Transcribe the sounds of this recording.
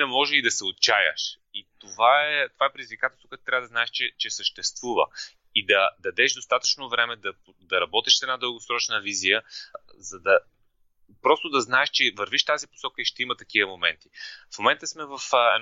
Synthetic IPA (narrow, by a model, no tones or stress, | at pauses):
nɐmɔʒɛid̪ɐsɛot̪̚t͡ʃajə̰ʃit̪ovaɛt̪ovaɛpɾɪd̪izvikat̪ɛlˠst̪vokɛt̪t̪ɾavəd̪znaɛʃt͡ʃɛt͡ʃɛsəʃt̪ɛst̪vuvə̰ | id̪ɐd̪ɐd̪ɛʃd̪ost̪at̪ə̥t͡ʃnovɾɛmɛd̪ɐp | d̪ɐɾɐbɔt̪iʃsɛd̪nad̪əlˠɡosɾɔt͡ʃnəvizijəzɐd̪ɐ | pɾɔst̪od̪ɐznaɛʃt͡ʃɛvɐɾviʃft̪azipo̥sɔkəiʃt̪ɛimət̪ɐk̟ivəmomɛ̰nt̪i̥fmomɛnt̪əsmɛvəfɛ̰